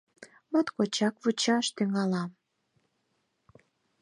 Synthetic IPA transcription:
mot̪kot͡ɕɑkβut͡ɕɑʃt̪yŋɑlɑm

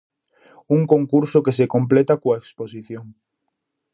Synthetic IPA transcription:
uŋkoŋkuɾsokesekõmplet̪akoaeksposiθjoŋ

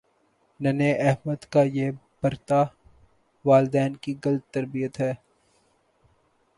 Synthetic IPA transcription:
nɐneʔɛɦməd̪kajeb̥ɐɾt̪a | ʋaːld̪ɛːnkiɡɐlət̪ːɐɾbijət̪ɦɛː

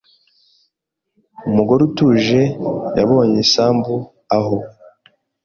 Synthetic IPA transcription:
umuɡoɾutuːʒe̞jaβo̞ːɲisaːmbu | aho

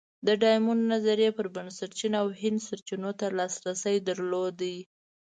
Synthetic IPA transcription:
d̪əɖɑjmunːazaɾjepəɾbansaɾt͡ʃinawhɪnd̪saɾt͡ʃinot̪alɑsɾasəjd̪əɾlod̪ai

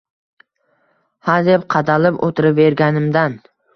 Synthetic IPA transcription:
had̪epqʰɑd̪alɪpo̰t̪ʰɪɾɪpve̞ɾɡʲanɪmd̪an

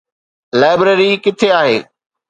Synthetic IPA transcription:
laːɪbɾəɾikɪt̪ʰeaːɦḛː

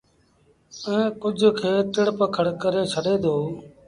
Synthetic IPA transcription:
ɛ̃ːkʊd͡ʒʱkʰeːt̪ɪɽpəkʰəɽkəɾeːt͡ʃʰəɖeːd̪oː

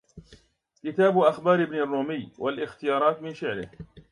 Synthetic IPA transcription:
kɪt̪aːbʔaxbɑːɾɪbnarˤːuːmɪjːwalʔɪxt̪ɪjɑːɾˤɑːt̪mɪnfɪʕlɪ̰h

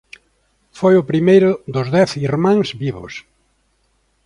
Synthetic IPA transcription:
fojʊpɾimejɾʊðʊzðɛθiɾmãŋzβiβʊ̰s

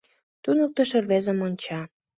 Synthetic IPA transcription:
t̪unək̚t̪əʃĕrβezə̆monʲt͡ɕɑ

